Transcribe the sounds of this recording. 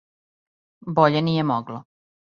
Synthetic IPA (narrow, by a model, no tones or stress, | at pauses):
boʎenijemoɡlo